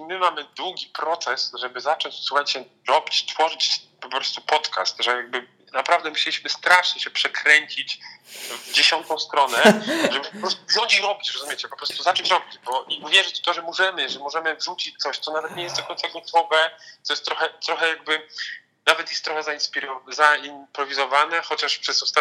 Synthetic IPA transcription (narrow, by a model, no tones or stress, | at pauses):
imɘmamɘd̪wuɡʲipɾɔt̪sɛsʐɛbɘzat͡ʂɔɲt͡ɕfsuxaɲt͡ɕɛ | ɾɔbʲit͡ɕt̪fɔʐɘt͡ɕpɔpɾɔst̪upɔt̪ka̰st̪ʐɛjaɡ̚bɘ | napɾavd̪ɛmuɕɛlʲiɕmɘst̪ɾaʂɲɛɕɛpʂɛkɾɛɲt͡ɕit͡ɕvd͡ʑeɕɔnt̪ɔ̃w̃st̪ɾɔnɛʐɛbɘpɔpɾɔst̪uzɔt͡ɕiɾɔbʲit͡ɕɾɔzumʲjet͡ɕɛpɔpɾɔst̪uzat͡ʂɛt͡ɕɾɔbʲid͡ʑbɔʔiʔuvʲjɛʐɘt͡ɕft̪ɔʐɛmɔʐɛmɘʐɛmɔʐɛmɘvʐut͡ɕit͡ɕ̚t̪sɔɕt̪sɔnavɛt̪ɲɛjɛst̪d̪ɔkɔ̃ɲt̪saɡɔt̪ʰɔvɛt̪ɔjɛst̪ːɾɔxɛt̪ɾɔxɛjaɡ̚bɘ | navɛt̪jɛst̪ːɾɔxɛzainspʲiɾɔzaimpɾɔvʲizɔvanɛxɔt͡ɕaʂpʂɛzɔst̪a